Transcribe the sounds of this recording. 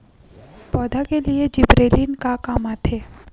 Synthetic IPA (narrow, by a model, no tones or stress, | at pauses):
pɔːd̪ʱakelied͡ʒɪbɾeːlinkakaːmat̪eː